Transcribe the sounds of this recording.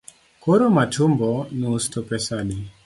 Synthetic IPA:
koɾomatʰumbɔnustɔpɛsaɗi

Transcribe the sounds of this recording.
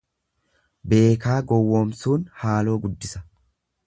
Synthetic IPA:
be̞ːkaːɡɔwːoːmsuːnhaːlo̞ːɡʊd̪ːɪsɐ̥

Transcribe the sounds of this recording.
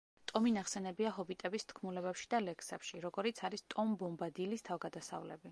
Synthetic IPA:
t̪ʼɔminaχsɛnɛbiaɦɔbit̪ʼɛbist̪ʰkʰmulɛbɛpʃi̥d̪alɛkʰsɛpʃiɾɔɡɔɾit̪sʰaɾist̪ʼɔmbɔmbad̪ilist̪ʰavɡad̪asa̰vlɛ̰bi

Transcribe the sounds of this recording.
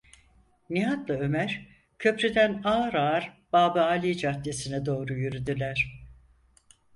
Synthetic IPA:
niɦat̪lˠaø̞mæɾ̥ | cʰø̞pɾed̪ænaːɾaɾb̥aːbaaːlʲid͡ʒat̪lʲesinɛd̪o̞ːɾujyɾyd̪ylʲæɾ̥

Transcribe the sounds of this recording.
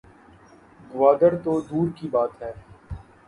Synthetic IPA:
ɡʊʋaːd̪əɾt̪od̪uːɾkibaːt̪ɦɛː

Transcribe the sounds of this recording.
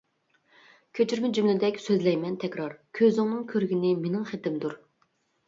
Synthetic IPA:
kʲʰøt͡ʃʰyɾmɪd͡ʒymlɪd̪ɛkʲsøzlɛjmɛnt̪ʰɛkʲɾɑɾkʲʰøzɪŋnɨŋkʲʰøɾɡʲinɪmenɪŋχet̪ɪmd̪uɾ

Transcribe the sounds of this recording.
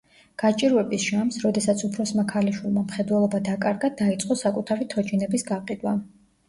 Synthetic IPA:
ɡ̥at͡ʃʼiɾɛbisʃamsɾɔd̪ɛsat̪sʰupʰɾɔsmakʰaliʃwilˠmamχɛd̪wɛlˠɔbad̪akʼaɾɡad̪ait̪sʼqʼɔsakʼut̪ʰaɾit̪ʰɔt͡ʃinɛbisɡaqʼid̪wa

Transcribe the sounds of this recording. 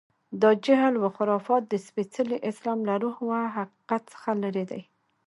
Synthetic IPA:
d̪ɑd͡ʒaɦlwəxʊɾɑfɑt̪̚d̪əspet͡səliʔɪslɑmlaɾuhwaɦaqi̥qat̪sə̥xaləɾed̪a̰j

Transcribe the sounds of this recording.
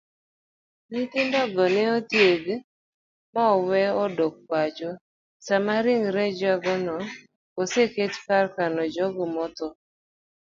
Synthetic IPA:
nit̪ɪndɔɡɔnɛot̪jeɡ | maɔwɛɔdok̚wad͡ʒo | samaɾɪŋɾɛd͡ʒaɡɔnɔ | oseketkarkanɔd͡ʒɔɡɔmɔt̪ɔ

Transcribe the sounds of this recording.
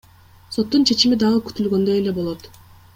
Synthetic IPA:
so̞t̪ːunt͡ʃʰe̞t͡ʃimid̪ɑʁɯky̥t̪ylɡø̞nd̪ø̞je̞le̞bo̞lˠo̞t̪

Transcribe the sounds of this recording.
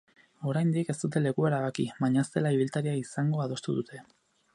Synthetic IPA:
o̞ɾajnd̪ike̞st̪ut̪e̞le̞kue̞ɾaβakiβaɲaest̪e̞laiβilt̪aɾiaisaŋɡoaðo̞st̪uðut̪ʰe̞

